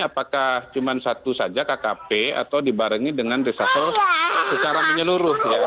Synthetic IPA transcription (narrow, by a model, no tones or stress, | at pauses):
apakaht͡ʃumansat̪usad͡ʒakakapea̰t̪awdibaɾəŋidəŋanrisasɔlsət͡ʃaɾaŋməɲəluɾʊhja